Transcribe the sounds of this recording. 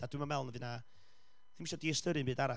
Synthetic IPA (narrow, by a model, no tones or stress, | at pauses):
d̥adwimamɛlˠnəðɨna | ðɪnmiʃɔdiɛstəɾɨmbɨːdaɾa